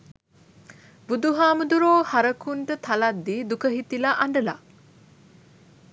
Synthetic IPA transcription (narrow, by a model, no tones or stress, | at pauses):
bud̪uɦaːmud̪uɾoːhaɾəkunʈ̪ət̪ʰalad̪ːiːd̪ukəɦit̪ilaʔaɳɖəla̰